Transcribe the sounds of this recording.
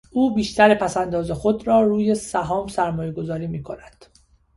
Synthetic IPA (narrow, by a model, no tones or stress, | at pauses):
ʔuːbiːʃt̪ʰæɾepʰæsænd̪ɒːzexo̞d̪ɾɒːɾuːje̞sæɦɒːmsæɾmɒːje̞ɡo̞zɒːɾiːmiːkʰo̞næd̪̥